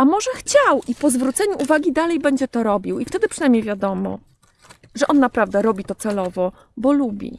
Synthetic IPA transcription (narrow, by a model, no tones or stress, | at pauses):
amɔʐɛxt͡ɕawʔipɔzvɾut̪sɛɲuʔuvaɡʲid̪alɛjbɛɲd͡ʑɛt̪ɔɾɔbʲiwift̪ɛd̪ɘpʂɨnajmɲejvʲjad̪ɔmɔ̰ | ʐɛʔɔnːapɾavd̪ɛɾɔbʲit̪ɔt̪sɛlɔvɔ | bɔlubʲḭ